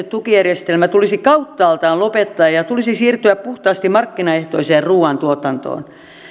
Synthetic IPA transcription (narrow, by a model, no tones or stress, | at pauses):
et̪t̪ukijærjest̪elmæt̪ulisikɑut̪ːɑːlt̪ɑːllopet̪ːɑːjjɑt̪ulisisiːrt̪yæppuht̪ɑːst̪immɑrkːinɑeht̪oiseːrruːɑnt̪uot̪ɑnt̪o̰ːn